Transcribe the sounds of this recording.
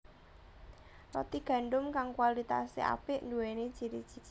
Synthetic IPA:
rɔ̰t̪iɡ̥a̤ɳɖʊmkaŋkwalit̪a̰sḛʔa̰pɪʔnd̪uwene̥ʒ̥i̤ɾi̥ʒ̥i

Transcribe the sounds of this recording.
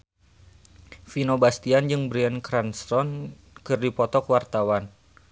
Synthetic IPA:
finobast̪iand͡ʒɨŋbɾiɛnkɾanst̪ɔn | kɨrdipɔt̪ɔkwart̪awan

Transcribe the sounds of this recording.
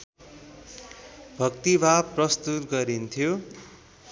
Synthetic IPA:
bʱʌkt̪ibʱaprʌst̪ut̪ɡʌɾint̪ʰijo

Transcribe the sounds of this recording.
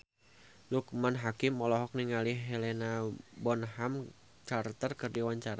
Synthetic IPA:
lukmanɦakɪmːɔlɔɦɔk̚niŋaliɦelenabɔnɦam | t͡ʃart̪ərkɨrdiwaɲt͡ʃaɾa

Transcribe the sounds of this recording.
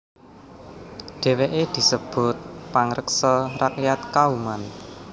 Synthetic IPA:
ɖ̥e̤weʔed̪̥i̤səb̥ʊt̪̚paŋɾəksərakjat̪̚kauman

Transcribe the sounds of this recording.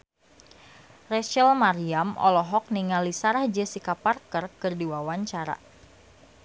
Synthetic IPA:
rɛʃɛlmaɾiamɔ̰lɔɦɔk̚niŋalisaɾahd͡ʒɛsikaparkərkɨrdiwawaɲt͡ʃaɾa̰

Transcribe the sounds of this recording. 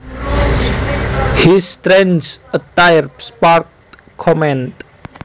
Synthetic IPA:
hist̪ɾɛnsət̪ajrspark | kʰːɔmɛ̃nt

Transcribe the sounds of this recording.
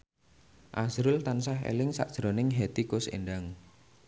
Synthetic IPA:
ʔasɾʊlt̪ansaɦḛlɪŋsa̰ʔd̥ʒ̥ɾonɪŋɦet̪ikʊsḛɳɖaŋ

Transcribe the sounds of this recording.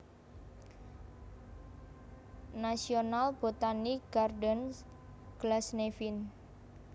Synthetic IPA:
nasionalb̥ot̪aniɡ̥ardɔn | ɡ̥lasnefin

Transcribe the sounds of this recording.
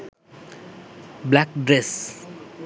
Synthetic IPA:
blakɖɾes

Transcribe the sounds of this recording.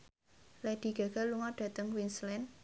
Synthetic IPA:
lɛd̪̥i̤ɡ̥a̤ɡ̥a̤luŋaɖ̥ä̤t̪əŋwinslɛn

